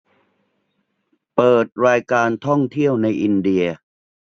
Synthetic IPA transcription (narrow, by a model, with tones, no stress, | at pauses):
pɤː˨˩t̪̚ɾaː˧jkaː˧nt̪ʰɔ˥˩ŋt̪ʰi˥˩əwna˧jʔi˧ndi˧ə